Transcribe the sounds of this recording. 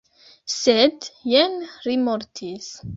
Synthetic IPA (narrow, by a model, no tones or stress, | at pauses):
sɛd̪jɛnɾimɔɾt̪ʰis